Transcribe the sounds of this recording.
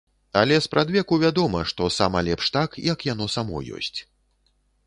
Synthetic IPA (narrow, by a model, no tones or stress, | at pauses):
alʲɛspɾʔad̪vʲɛkuvʲad̪ɔmɐʂt̪ɔsamɐlʲɛpʂt̪akjɐkjan̪ɔsamɔ̰jɔ̰sʲt͡sʲ